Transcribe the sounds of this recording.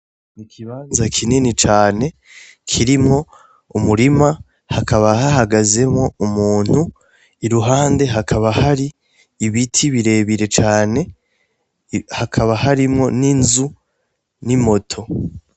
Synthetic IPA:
nikʰiβaːnzakʰininit͡ʃaːne̞ | kʰiɾimŋo̞ | umuɾima | hakʰaβahahaɡaze̞mŋo̞umuːn̥hu | iɾuɦaːnde̞ɦakʰaβahaɾi | iβitʰiβiɾe̞ːβiɾe̞t͡ʃaːne̞ | hakʰaβahaɾimŋo̞ninzu | nimo̞tʰo̞

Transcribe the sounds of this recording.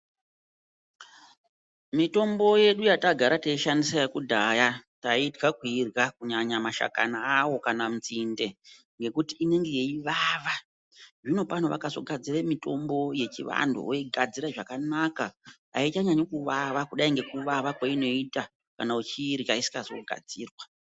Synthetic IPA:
mito̞mbo̞je̞ɗujataɡʱaɾataiʃandisajakudʱajataitɡakwirɡakuɲaɲamaʃa̰ka̰naːwo̞kanamut͡sinde̞ | ŋɡe̞kutiːne̞ŋɡe̞jeiʋaʋa | ʐino̞pan̤oʋa̰kazo̞̰ɡʱad͡ziremito̞mbo̞je̞t͡ʃiʋa̰ndo̰oiɡʱad͡ziɾaʐakanaka | a̰it͡ʃaɲaɲokuʋaʋakuɗaiŋɡe̞kuʋaʋakwaino̞ita | kanaut͡ʃiːrjaisi̥kazo̞̰ɡʱa̰d͡ziːrwa

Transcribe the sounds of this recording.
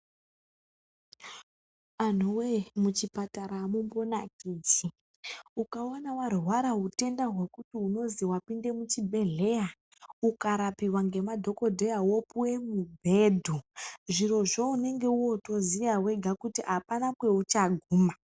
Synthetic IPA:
an̤uwemut͡ʃipataɾaːmumbo̞nakiːd͡ʒi | ukaonawarwaɾaɦute̞ndaɦwe̞kutiuno̞ziwapinde̞mut͡ʃibʱe̞ɮe̞ja | ukaɾapiwaŋɡe̞madʱo̞ko̞dʱejawo̞puwe̞mubʱe̞ːdʱuʐiro̞ʐo̞une̞ŋɡe̞uwo̞to̞zijawe̞ɡʱakutiʔapanakwe̞ut͡ʃaɡʱuːma

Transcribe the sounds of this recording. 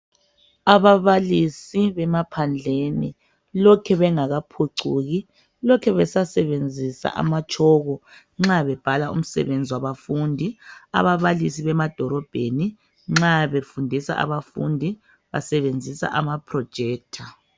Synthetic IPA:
aβaβalisiβɛmapʰand͡ɮʱenḭ | lɔkʰɛβɛŋaɣapʰoǀuɣi | lɔkʰɛβɛsasɛβend͡zʱisa̰ʔa̰mat͡ʃʼʰɔːɣɔ | ŋ͡ǁaβɛb̥ʱalaṵm̩sɛ̰βend͡zʱiwaβafundʱia̰βaβalisiβɛmad̥ʱɔɾɔb̥ʱeni | ŋ͡ǁaβefundʱisa̰ʔa̰βafṵndʱi | βa̰sɛβend͡zʱisa̰ʔamapʰrɔd̥ʒ̥ʱɛːk̚tʰa

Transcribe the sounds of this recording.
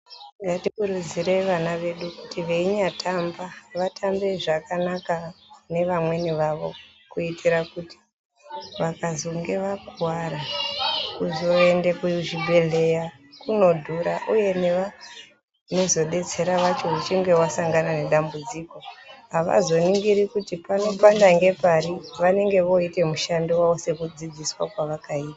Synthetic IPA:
ŋɡatikuɾud͡ziɾe̞ʋanaʋe̞ɗukutiʋeiɲatʰambaʋatʰambe̞ʐakanakane̞ʋamwe̞niʋaʋo̞̰ | kuitiɾakuti̥ | ʋakazoŋɡe̞ʋaɡʱwaɾa | kuzo̞endekuʐibʱe̞ɮe̞ja | kuno̞dʱuɾaʔuje̞ne̞ʋa | no̞zo̞ɗe̞t͡se̞ɾaʋat͡ʃo̞ut͡ʃiŋɡe̞wasaŋɡanane̞ɗambud͡ziko̞ɦaʋa̰zo̞niŋɡiɾikutipano̞pandaŋɡe̞paɾiʋane̞ŋɡe̞ʋo̞ite̞muʃandiwaose̞kud͡zid͡ziswakwaʋakaiːta

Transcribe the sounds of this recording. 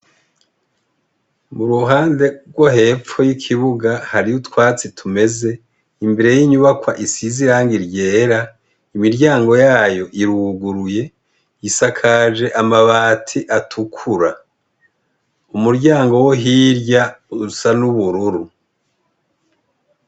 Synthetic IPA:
muɾuɦaːnde̞ɾɡwohe̞ːp͡fo̞jikʰiβuɡahaɾijutwaːt͡sitʰume̞ze̞ | imbe̞ɾe̞jiɲuβakwaʔisiziɾaːŋɡiɾje̞ːɾa | imiɾɟaːŋɡo̞jaːjo̞ʔiɾuːɡuɾuje̞ | jisakʰaʒe̞ʔamaβaːtʰiʔatʰukʰuɾa | umuɾɟaːŋɡo̞wo̞ɦiɾɟasanuβuɾuɾu

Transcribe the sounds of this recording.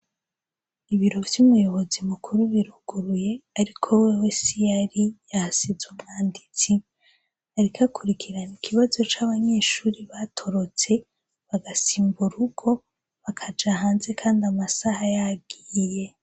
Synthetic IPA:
iβiɾo̞vjumujo̞βo̞zimukʰuɾuβiɾuɡuɾuje̞aɾikʰo̞wewesijaɾijahasizumŋaːndit͡si | aɾikʰakʰuɾikʰiɾanikʰiβazo̞t͡ʃaβaɲe̞ːʃuːɾiβatʰo̞ɾo̞t͡se̞ | βaɡasiːmbuɾuɡo̞ | βakʰad͡ʒahaːnze̞kʰaːndamasahajabɡ̥iːje̞

